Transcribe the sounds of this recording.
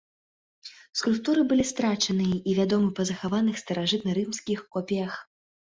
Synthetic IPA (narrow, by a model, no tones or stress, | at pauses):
skulʲp̚t̪uɾɨbɨlʲist̪ɾat͡ʂɐnɨjɐʔivʲad̪ɔmɨpɐzɐxavanɨxst̪ɐɾaʐɨt̪nɐɾɨmskʲixkɔpʲɛjɐx